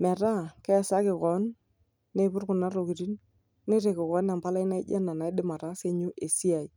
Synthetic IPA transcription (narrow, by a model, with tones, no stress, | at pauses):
mɛ˨ɾa˦kɛ˦˨sa˦kɪ˨kɔ˨˦nː | e˨pʊ˦ɾkʊ˨na˦ɾo˨ki˨ɾi˦n | ne˦ɾe˨kɪ˨kɔ˨˦na˨mpa˦la˦ɪ˦na˦ɪ˦d͡ʒa̰˦na˨na˨ɪ˦dɪ˦ma˨ɾa˨˦se˦ɲu˦ʔe˨si˦a˨i˨